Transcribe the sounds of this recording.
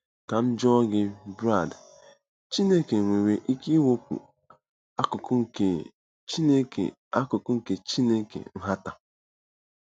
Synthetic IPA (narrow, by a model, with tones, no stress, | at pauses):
ka˨m̩˦d͡ʒɔ˦ɡɪ˦bɾa˦˨d | t͡ʃi˦ne˦ke˨ŋʷe˨we˦ʔi˦ki˦wo˦pṵ˨ | a˦kʊ˨kʊ˦˨ke˨ | t͡ʃi˦ne˦kḛ˨ | a˦kʊ˨kʊ˦ŋ̩˦ke˨t͡ʃi˦ne˦kḛ˨n̩˦ɦa˦ta˨